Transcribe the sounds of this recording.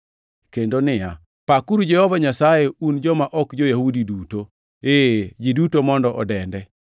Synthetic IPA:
kendonɪja | pakuɾud͡ʒɛhɔvaɲasajeund͡ʒɔmaʔɔkd͡ʒojahudiduto | ed͡ʒidutomɔndɔʔɔdɛndɛ

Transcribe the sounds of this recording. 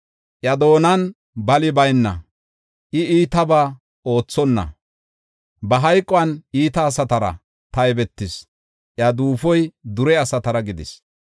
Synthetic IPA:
ʔjɐd̪o̞ːnɐn | bɐlɪbɐjnːɐ̰ | ʔɪiːt̪ɐbaː | o̞ːt͡sːɔnːɐ̰ | bɐɦɐjkʼːɔɐniːt̪ɐːsɐt̪ɐɾɐ̰ | t̪ɐɛbɛt̪ːɪs | ʔjɐd̪uːfɔjd̪ʊɾɛɐsɐt̪ɐɾɐɡɪd̪ɪ̰s

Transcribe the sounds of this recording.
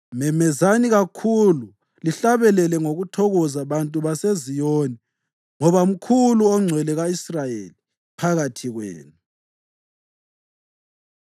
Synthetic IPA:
mɛmɛzaniɣakʰulu | liɬaβɛlɛlɛŋoɣutʰɔɣɔzaβantʼuβasezijoni | ŋɔβaum̩kʰuluɔŋ͡ǀʱwɛlɛɣaisrajḛli | pʰaɣatʰiɣwḛːnu

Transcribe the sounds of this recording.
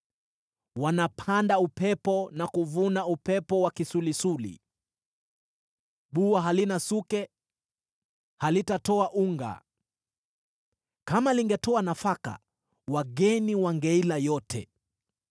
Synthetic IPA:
wanapʰandaupɛpɔnakuvunaupɛpɔwakisulisulḭ | ɓuwaɦalinasukɛ | halitatɔaʔuŋɡa̰ | kamaliŋɡɛtɔanafaka̰ | waɠɛniwaŋɡɛilajɔtʰɛ̰

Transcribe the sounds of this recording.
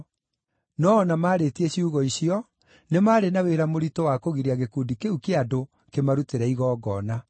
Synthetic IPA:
nɔːnamaːɾetieɕiuɣɔiɕiɔ | nemaːɾenaweɾamoɾitowakoɣiɾeaɣekuːndikeukeado | kemaɾuteɾɛiɣɔːɡɔna

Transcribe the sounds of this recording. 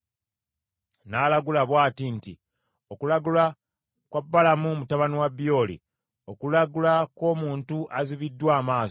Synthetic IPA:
naːlaɡulaβwaːtintḭ | o̞kulaɡula | kwabːalamumutaβaniwabjo̞ːlḭ | okulaɡulako̞ːmuːntuʔaziβidːwaːmaːs

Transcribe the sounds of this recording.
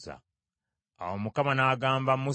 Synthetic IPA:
za̰ | a̰womukamanaːɡaːmbamu

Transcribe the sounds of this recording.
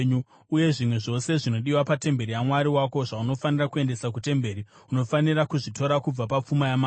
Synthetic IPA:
ɲu | uje̞ʐimwe̞ʐo̞se̞ʐino̞ɗiwapate̞mbe̞ɾijamwaɾiwako̞ʐauno̞fanirakue̞nde̞sakute̞mbe̞ɾi | uno̞fanirakuʐito̞ɾakub͡vapap͡fumajamaː

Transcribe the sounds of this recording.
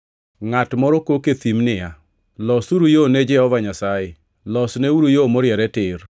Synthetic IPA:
ŋatmɔɾɔkoket̪imnɪja | lɔsuɾujonɛd͡ʒɛhɔvaɲasajɪ | lɔsneuɾujomoɾjɛɾɛtɪr

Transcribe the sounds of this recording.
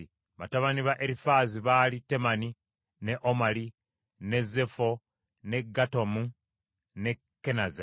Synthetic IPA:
βataβaniβaʔeɾifaːziβaːlite̞mani | ne̞ʔomali | ne̞ze̞fo̞ | ne̞ɡːato̞mu | ne̞ | kːe̞naze

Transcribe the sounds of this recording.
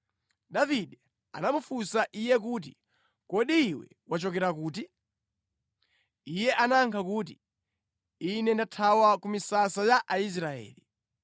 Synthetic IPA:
ɗaviɗɛ | a̰namufusaʔijɛk̬uːt̬ḭ | kɔɗiːwɛ̰ | wat͡ʃɔkɛɾakuːt̬i | ijɛʔanaŋkʰakuːt̬i | inɛndatʰawakumisasajaʔais̬ɾaɛ̰ːli

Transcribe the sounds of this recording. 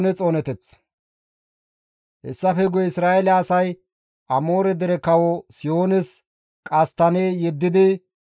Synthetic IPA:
nɛt͡sʼo̞ːnɛt̪ɛt͡s | hɛ̰sːɐfɛɡʊjɪsɾaːelaːsɐj | ʔɐmo̞ːɾɛd̪ɛɾɛkɐwɔsɪjoːnɪs | kʼɐst̪ːɐneːjɛd̪ːɪd̪ɪ

